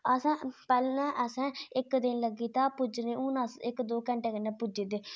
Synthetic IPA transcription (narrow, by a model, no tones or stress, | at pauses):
əsãːpɛːlnãːʔəsɛ̃ːɪkd̪ɪnləɡiːt̪ãːpʊd͡ʒnẽːuːnasɪkd̪oːkə̃ɳʈeːkənːɛ̃ːpʊd͡ʒeːd̪eː